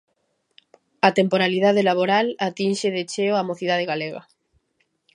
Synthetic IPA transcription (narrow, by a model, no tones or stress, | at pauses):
at̪empoɾaliðaðelaβoɾalat̪inʃeðet͡ʃeoamoθiðaðeɣaleɣɐ̰